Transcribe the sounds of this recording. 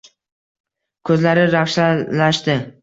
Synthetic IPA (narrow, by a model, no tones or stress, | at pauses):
kʲʰɵzlaɾɪɾafʃalaʃt̪ɪ